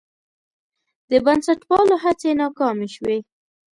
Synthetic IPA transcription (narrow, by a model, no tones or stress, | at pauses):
d̪̥əbansaʈwɑloɦat͡senɑkɑmeʃwe